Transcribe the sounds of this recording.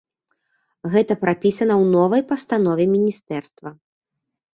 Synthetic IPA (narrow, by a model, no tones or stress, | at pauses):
ɣɛt̪ɐpɾapʲisɐnɐwnɔvɐjpɐst̪anɔvʲɛmʲinʲist̪ɛrst̪vɐ